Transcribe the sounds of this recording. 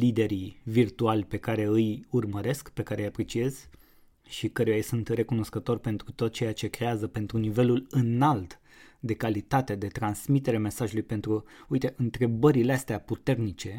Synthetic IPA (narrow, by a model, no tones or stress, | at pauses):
lid̪e̞ɾivirt̪ualʲpe̞kaɾe̞ɨjurməɾe̞skpe̞kaɾe̞ɨjapɾe̞t͡ʃie̞z̥ | ʃikəɾujajsunt̪re̞kuno̞skət̪o̞rʲpe̞nt̪ɾut̪ot̪̚t͡ʃe̞jat͡ʃe̞kɾe̞azəpe̞nt̪ɾunive̞lulɨnalt̪ | d̪e̞kalit̪at̪ed̪e̞t̪ɾansmit̪eɾeame̞saʒulujpe̞nt̪ɾuujt̪e̞ʔɨnt̪ɾe̞bəɾileast̪eaput̪e̞rnit͡ʃe̞